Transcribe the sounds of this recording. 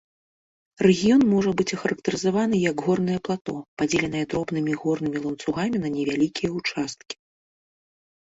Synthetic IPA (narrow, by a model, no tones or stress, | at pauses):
rɛɣʲijɔnmɔʐɐbɨt͡sʲɐxɐɾɐk̚t̪ɐɾɨzavanɨjɐɡɣɔrnɐjɛplˠat̪ɔpad͡zʲelʲɛnɨjɐd̪ɾɔbnɨmʲiɣɔrnɨmʲilˠɐnt̪suɣamʲinɐnʲɛvʲalʲikʲijɐut͡ʂast̪̚kʲi̥